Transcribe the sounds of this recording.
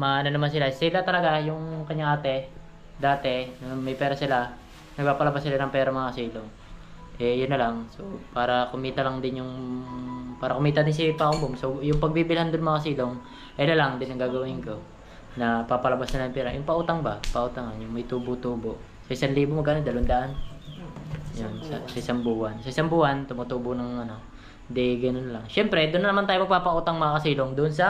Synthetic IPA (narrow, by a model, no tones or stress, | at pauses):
mɐʔɐnonɐmansɪlasɪlat̪ɐlɐɡajʊŋkɐɲaŋaːt̪ɛ | d̪aːt̪ɛnɐmɐjpɛːɾɐsɪla | nɐɡ̚paːpɐlɐbasːɪlanɐŋpɛːɾɐmɐŋakɐsiːloŋ | ʔɛjʊnːɐlaŋsopaːɾɐkʊmiːt̪ɐlɐŋd̪ɪnjʊŋ | paːɾɐ̰kʊmiːt̪ɐd̪ɪns̬ipaʔʊmboŋsojʊŋpɐɡ̚biːbɪlhand̪onɐmɐŋakɐsiːlo̞ŋ | ʔɛnɐlaŋd̪ɪnːɐŋɡaːɡɐwɪŋko̞ | nɐpapɐlɐbasnɐlajʊmpɛːɾɐ̰jʊŋpɐʔuːt̪aŋbɐpɐʔuːt̪aŋɐnjʊŋmɐjt̪uːbʊt̪uːbo | sɐʔɪsanliːbomɐɡʔɐnod̪ɐlond̪aʔan | jonsɐsɐʔɪsambuːhansɐʔɪsambuːhant̪ʊmʊt̪uːboʔnɐŋʔɐno̞ | nd̪ɛɡɐnonlɐŋʃɛmpɾɛd̪ʊnːɐnɐmant̪aːjomɐɡ̚paːpɐʔuːt̪ɐŋmɐŋakɐsiːloŋd̪ʊʔonsɐ